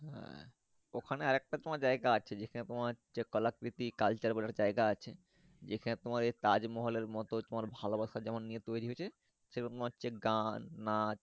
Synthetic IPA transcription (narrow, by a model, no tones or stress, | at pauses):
ɦɛ̰̃ | okʰaneaɾɛk̚ʈat̪omaɾd͡ʑaeɡaat͡ɕʰed͡ʑekʰanet̪omat͡ɕekɔlakɾit̪ikalt͡ɕaɾbalaɾd͡ʑaeɡaat͡ɕʰe | d͡ʑekʰanet̪omaɾeɾt̪ad͡ʑmɔɦoleɾmɔt̪ot̪omaɾbʱalobaʃad͡ʑɛmonːijet̪ojɾiɦot͡ɕʰe | ʃeɾnt̪omaɕʰeɡanːat͡ɕ